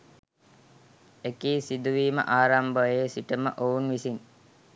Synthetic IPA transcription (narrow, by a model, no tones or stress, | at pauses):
ekiːsid̪uʋiːmə̰ʔaːɾambəjesiʈəmə̰ʔounʋisin